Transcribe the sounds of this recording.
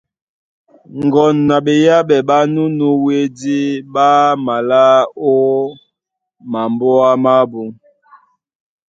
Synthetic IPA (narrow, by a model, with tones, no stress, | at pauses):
ŋɡɔ˨nːa˨ɓe˨ja˦ɓɛ˨ɓa˦nu˦nu˦we˦di˦ɓa˦ma˨la˦o˦ | ma˨mbɔ˦a˦ma˦bu˨ŋ